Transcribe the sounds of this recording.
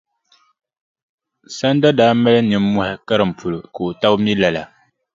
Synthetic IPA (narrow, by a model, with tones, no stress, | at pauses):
sa˦n˦da˦daː˨˦mɛ˦lɛ˦nɨ˨m̩ː˦ʊ˦ha˨ka˦ɾɨ˨m̩˨pʰu˨lʊ˨ko˨o˨ta˦wmi˦la˨la˨